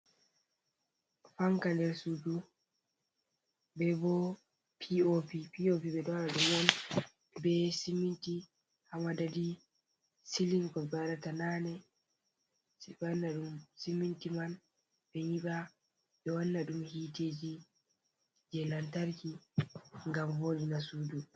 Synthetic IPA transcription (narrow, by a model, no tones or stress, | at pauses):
faŋkandɛɾsudu | bɛbɔ | pʰiopipiopiɓɛɗɔanaɗumɔn | bɛsiminti | hamadadi | siliŋkɔbaɾatananɛ | siɓanːaɗumsimintiman | ɓɛɲiɓa | ɓɛwanːaɗumhiːteːd͡ʒi | d͡ʒɛlantaɾki | ŋɡamvoːɗinasuːdu